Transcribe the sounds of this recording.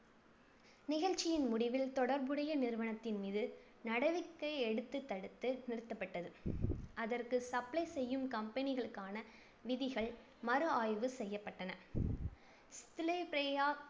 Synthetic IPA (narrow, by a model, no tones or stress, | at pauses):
nɪɣɐɻt͡ʃːɪjɪnmʊɽɪʋɪlt̪ɔɽɐɾbɯɽɐjɐnɪɾɯʋɐnɐt̪ːɪnmiːðɯ | nɐɽɐʋɪkːɐɪɛɽɯt̪ːɯt̪ːɐɽɯt̪ːɯnɪɾɯt̪ːɐpːɐʈːɐðɯʔɐðɐrkɯsɐplɐɪsɛjːɯmkɐmpɛnɪɣɐɭɯkːaːnɐ | ʋɪðɪɣɐɭ | mɐɾɯaːjʋɯsɛjːɐpːɐʈːɐnɐ | st̪ɪlepɾeaː